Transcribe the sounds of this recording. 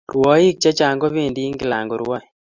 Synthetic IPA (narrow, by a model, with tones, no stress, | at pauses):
rwɔ˦i˦k̚t͡ʃa˦t͡ʃa˨ŋɡɔ˦βe˦˨ndi˦ŋɡɪ˦la̰˨ŋɡɔ˨ɾwa˦